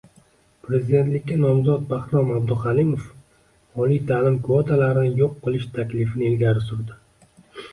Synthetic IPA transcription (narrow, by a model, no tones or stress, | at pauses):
pʰɾe̞zid̪e̞t̪lɪkʲːanɒmzɒt̪̚baχt̪ɒmab̚d̪ʊχalimof | ɒlijt̪ʰaːlɪmkʊvɒt̪ʰalaɾɪnɪjoqʰːɨlˠɪʃt̪ʰakʲlɪfɪnɪelɡʲaɾɪsʊɾd̪ɪ